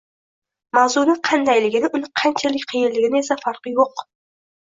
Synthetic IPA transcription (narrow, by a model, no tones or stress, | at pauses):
mawzʊnɪqʰɑnd̪ajlɪɡʲɪnɪʔʊnɪqʰant͡ʃʰalɪk̚ʲqʰɨjɪllɪɡʲɪnɪe̞safaɾqɨjoq